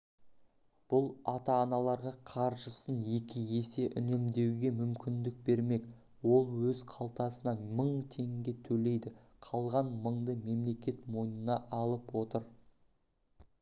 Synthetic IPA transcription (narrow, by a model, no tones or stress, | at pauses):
b̥ʊlˠɑt̪ɑːnɑlˠɑɾʁɑqʰɑɾʒəsənjekʲɪje̞se̞ʔɪ̰ne̞md̪e̞wɡʲe̞mʏmkʲɪnd̪ɪk̚be̞ɾme̞d̪ɪ | wo̞lˠwɵzqʰɑlˠt̪ɑsənɑməɴt̪ʲʰe̞ŋɪnd̪et̪ʰɵle̞jd̪ɪqʰɑlˠʁɑnməɴd̪əme̞mle̞kʲe̞t̪mo̞jnənɑʔɑlˠəpwo̞t̪əɾ